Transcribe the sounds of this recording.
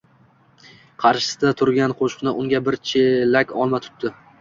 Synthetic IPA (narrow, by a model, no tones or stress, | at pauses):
qʰɑɾʃɪ̥sɪd̪at̪ʰʊɾɡʲanqʰoʃqnɪʔʊŋɡʲabɪɾt͡ʃʰelakʲɒlˠmat̪ʰʊ̥p̪̚d̪ɪ